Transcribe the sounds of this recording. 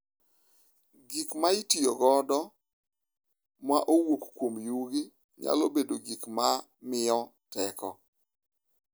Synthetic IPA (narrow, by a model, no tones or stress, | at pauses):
ɡikmaɪtioɡɔdɔ | maʔowokkwomjuɡi | ɲa̰lobedoɡikma | mɪɔtɛkɔ̰